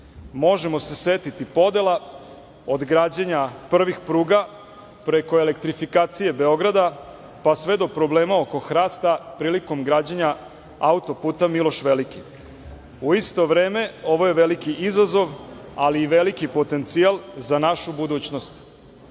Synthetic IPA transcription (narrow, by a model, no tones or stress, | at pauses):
mo̞ʒemo̞se̞set̪it̪ipo̞d̪e̞lˠa | od̪ɡɾaːd͡ʑeɲapr̩ʋixpɾuːɡa | pɾe̞ko̞elekt̪ɾifikaːt̪sije̞be̞o̞ɡɾad̪a | pasʋe̞d̪o̞pɾo̞bleːmao̞ko̞xɾaːst̪apɾiːliko̞mɡɾaːd͡ʑeɲa | aut̪o̞puːt̪amilˠo̞ʃʋe̞liki | uist̪o̞ʋɾeːme̞o̞ʋo̞je̞ʋelikiʔizazo̞ʋaliːʋelikipo̞t̪e̞nt̪sialˠzanaʃubud̪uːt͡ɕno̞st̪